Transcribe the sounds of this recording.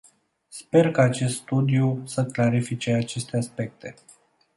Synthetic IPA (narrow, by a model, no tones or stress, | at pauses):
spe̞rkaːt͡ʃe̞st̪st̪ud̪ijusəklaɾifit͡ʃe̞at͡ʃe̞st̪easpe̞k̚t̪e̞